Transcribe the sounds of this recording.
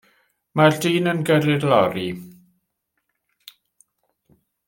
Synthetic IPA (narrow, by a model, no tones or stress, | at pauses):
mardiːnənɡəɾɪdlɔɾi